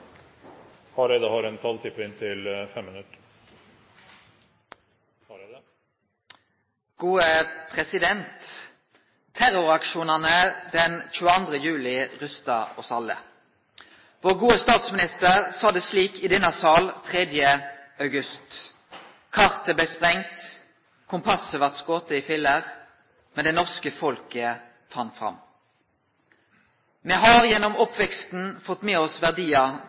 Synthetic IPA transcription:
ɑɾɛd̪əhɑɾɛnt̪ʰɑlt̪ʰɪpɾɪnt̪ʰɪlfɛmːɪnʉt̪ | ɡ̥uːəpʰʁɛsɪd̪ɛnt̪ | æɾʊʁɑkʃuːnɑnəd̪ɛnc͡çʉːəɑnd̪ʁəjʉːlɪʁʉst̪ɑ̰ɔsɑlːə̰ | ʋoːʁɡuːəst̪ɑːt̪smɪnɪst̪əʁsɑːd̪ɛsliːkɪd̪ɛnɑsɑːlt̪ʰʁɛd̪jəɑʉɡʉst̪ | kʰɑʁt̪əblɛɪspʁɛŋt̪ | kʰʊmpʰɑsəʋɑʁt̪skoːt̪əɪfɪlːəʁ | mɛnd̪ɛnɔʁskəfɔlkə | fɑnːfʁɑ̰m | mɛɦɑʁjɛnːɔmɔpʋɛkst̪n̩fɔt̪ːmeːɔsʋæʁd̪iːɑ

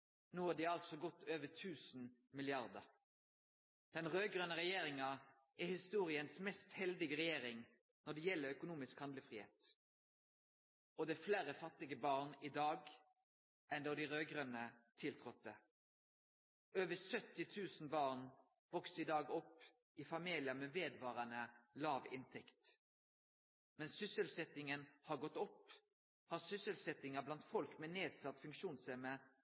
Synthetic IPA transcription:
nuːɑd̪iːɑlt̪sɔɡɔt̪ːøːʋət̪ʰʉːsn̩mɪlɪɑʁd̪əɾ | d̪̥ɛnʁøːɡʁœnəɾɛjeːɾɪŋɑ | ɛhɪst̪uːʁɪənsmɛst̪hɛld̪ɪɡəʁɛjeːɾɪŋ | nɔɖ̪ɛjɛlːəɾœkʊnuːmɪskhɑnd̪ləfʁiːhḛːt̪ | ɔd̪ɛːfleːɾəfɑt̪ːɪɡəbɑːʁnɪd̪ɑːɡ | ʔɛnd̪ɔd̪ɪʁøːɡʁœnət̪ʰɪlt̪ʰʁɔt̪̚d̪ə | øːʋəsœt̪ɪt̪ʰʉːsn̩bɑːʁn | ʋɔksɪd̪ɑːɡɔpː | ɪfɑmiːlɪəmeːʋeːd̪ʋɑːʁənəlɑːʋɪ̰nt̪ʰɛkt̪ | mɛnsʏsəlsɛt̪ɪŋənhɑːʁɡɔt̪ːɔp | hɑːʁsʏsəlsɛt̪ɪŋəblɑnt̪fɔlkmeːneːd̪sɑt̪ːfʉŋkʃuːnsɛmə

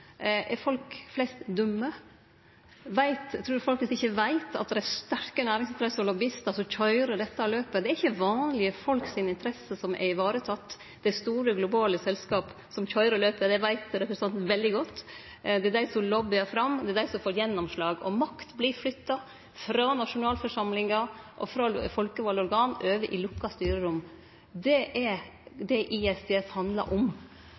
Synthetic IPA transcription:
ʔɛɾfɔlkflɛst̪d̪ʊmːə | ʋæɪt̪t̪ʰːɾʉːɾfɔlk̪ɪsɪçːəʋæɪt̪ʰɑ̰t̪̚d̪ɛɾæɪst̪œɾkənæːɾɪŋsɪnt̪ʰɾɛsəɔlɔbɪst̪ɑsɔçɔʏɾəd̪ɛt̪ːɑløːpəd̪ɛæɾɪçːəʋɑːnlɪəfɔlksɪnɪnt̪əɾɛsəsɔmʔɛ̰ɾɪʋɑːɾət̪ʰɑt̪ː | d̪̥ɛst̪uːɾəɡlʊbɑːləsɛlskɑːp | sɔmçɔʏɾəløːpəd̪ɛʋæɪt̪ɾɛpɾsɑnt̪n̩ʋɛld̪ɪɡɔt̪ː | d̪ɛæd̪æɪsɔlɔbɪɑfɾɑmːd̪ɛæd̪æɪsɔmfoːɾjɛnːɔmʂlɑːɡɔ̰mɑkt̪blɪɾflʏt̪ːɑ | fɾɑnɑʂʊnɑːlfɔʂɑmlɪŋɑʔɔfɾɑfɔlkəʋɑlːɔɾɡɑːnʔøːʋəʔɪlʊkːɑst̪yːɾəɾʊmː | d̪ɛʔɛɾd̪ɛʔɪɛst̪ɪɛfhɑnd̪lɑ̰ɾʔɔm

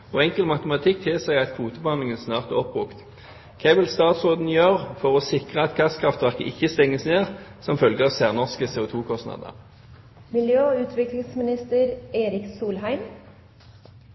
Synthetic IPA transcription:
oːɛŋkəlmɑt̪əmɑt̪ʰɪkːt̪ʰɪːsæɪɑt̪kʰʋuːt̪əbəhɑnlɪŋənsnɑːʁt̪æʁɔpːʁʊkt̪ | kʰæʋɪlst̪ɑːt̪sʁoːd̪n̩jøːʁfɔʁoːsɪkʁəɑt̪kʰɑst̪kʰʁɑft̪ʋæʁkə̰ʔɪçːəst̪ɛŋːəsneːʁsɔmfœlɡəɑʋsæːʁnɔʁskəseːʊt̪ʰuːkʰɔst̪nɑ̰d̪ə̰ | mɪljøːʉːt̪ʋɪklɪŋsmɪnɪst̪əɾeːɾɪksuːlhæɪm

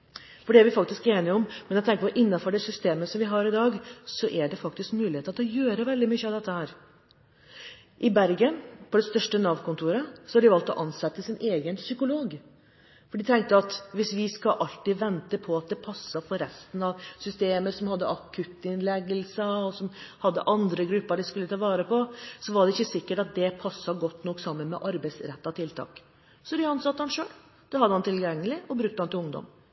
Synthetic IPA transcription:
fɔɖɛæɾʋɪfɑk̚t̪ɪskeːnɪɔmmɛnjɛɡt̪ɛŋkəpɔɾʔɪnːɑfɔɖɛsʏst̪eːməsɔmʋɪɦɑɾɪd̪ɑːɡsɔʔæɖɛfɑk̚t̪ɪskmʉːlɪheːt̪t̪ɔjøːɾəʋɛld̪ɪmʏçːəɑʋd̪ɛt̪ːəhæːɾ | ʔɪbæɾɡənpʰɔd̪ɛst̪œʂʈənɑʋkʊnt̪ʰuːɾəsɔhɑɖɪʋɑlt̪ɔʔɑnsɛt̪ːəsɪnʔeːɡənsʏkʊloːɡ | fɔɖɪt̪ʰɛŋkt̪əɑt̪ʋɪsʋɪskɑʔɑlt̪iʋɛnt̪əpʰɔɑt̪̚d̪ɛpʰɑsːɑfɔɾɛst̪ən̩ɑʋsʏst̪eːməsɔmhɑd̪ːəʔɑkʰʉt̪ɪnlɛɡːəlsəɔsɔmhɑd̪ːə̰ʔɑnd̪ɾəɡɾʉpːəɖɪskʉlːət̪ʰɑːʋɑːɾəpɔsɔʋɑɖɛɪçːəsɪkːəʈɑt̪̚d̪ɛpʰɑsːɑɡɔt̪ːnɔkːsɑmːənmɛ̰ʔɑɾbæɪsɾɛt̪ːɑt̪ʰɪlt̪ʰɑ̰ːk | sɔd̪ɪɑnsɑt̪ːəhɑnʂøːl | d̪̥ɛhɑd̪əhɑnt̪ʰɪlɡɛŋːəlɪɔbɾʉk̚t̪əhɑnt̪ɪlʊŋd̪ɔ̰m

